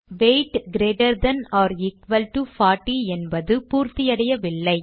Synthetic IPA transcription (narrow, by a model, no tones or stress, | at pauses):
ʋeɪʈɡɾeːʈɐɾd̪ɐnɔːɾɪkʋɐlʈufaːʈːiɛnbɐðɯpuːɾt̪ɪjɐɽɐjɐʋɪɭːɐɪ